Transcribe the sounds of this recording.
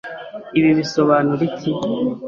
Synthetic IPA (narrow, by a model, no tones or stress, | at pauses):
iβiβiso̞βaːnuɾiti